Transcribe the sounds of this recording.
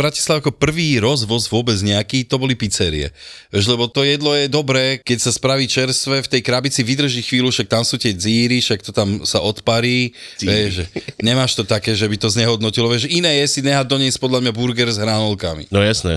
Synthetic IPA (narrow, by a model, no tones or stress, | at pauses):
bɾaci̥slaʋakɔpr̩ʋiːɾɔzʋɔzʋʊɔbɛd͡zɲɛakiːt̪ɔbɔlipit͡sɛːɾḭɛ̰ʋɛʒlɛbɔt̪ɔjɛd̪lɔjɛd̪ɔbɾɛːkɛcsaspɾaʋiːt͡ʃɛɾst̪ʋɛft̪ɛjkɾabit͡siʋid̪r̩ʒixʋiːluʃak̚t̪amsuːt̪ɪɛd͡ziːɾiʃakt̪ɔt̪amsaʔɔt̪paɾiːʋɛʒɲɛmaːʃt̪ɔt̪akɛːʒɛbit̪ɔzɲɛɦɔd̪nɔcilɔʋɛʒinɛːjɛsiɲɛɦad̪ɔɲɛspɔd̪lamɲabuɾɡɛɾzɦɾanɔlkamḭnɔjasnɛ̰